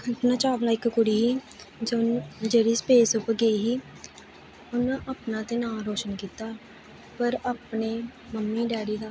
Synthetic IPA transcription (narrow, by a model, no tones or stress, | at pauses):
t̪nãːt͡ʃaːʋlaːɪkkʊɽiːɦiː | d͡ʒod͡ʒeːɽiːspeːsʊpɾɡəiːɦiː | ʊnãːʔaːpnãːt̪eːnãːɾoːʃənkiːt̪aː | pəɾaːpneːməmːiːɖɛːɽiːd̪aː